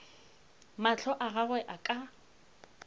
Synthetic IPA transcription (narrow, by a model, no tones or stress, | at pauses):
mat͡ɬʰɔʔaɣaɣwɛʔakʼa